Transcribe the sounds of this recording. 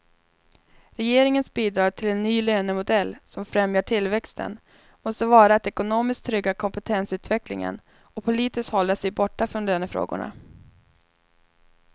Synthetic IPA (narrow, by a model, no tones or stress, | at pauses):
ɾɛjeːɾɪŋənsbiːd̪ɾɑːʈ̪ʰɪlɛnːyːløːnəmʊd̪ɛlːsɔmfɾɛmjaʈʰɪlːvɛkst̪ʰə̰n | mɔst̪əvɑːɾaɛt̪ɛkʊnoːmɪsk̚t̪ʰːɾʏɡːakʰɔmpət̪ʰɛnsʉ̟ːt̪vɛklɪ̰ŋə̰n | ɔpʰʊliːt̪ɪst̪hɔlːəʂɛjbɔʈːafɾɔnløːnəfɾo̰ːɡʊ̰ɳa̰